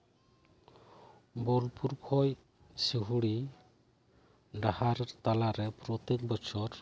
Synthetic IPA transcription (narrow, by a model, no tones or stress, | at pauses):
bɔlpuɾkʰɔj | siɦuɽi | ɖahaɾɾt̪alaɾɛpɾɔt̪ɛk̚bɔt͡ʃʰɔɾ